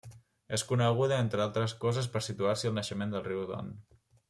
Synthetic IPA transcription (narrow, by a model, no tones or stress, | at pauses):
eskunəɣ̞uðəent̪ɾəalˠt̪ɾəskɔzəspəɾsit̪uarsiəlˠnəʃəmend̪əlˠriwðo̰n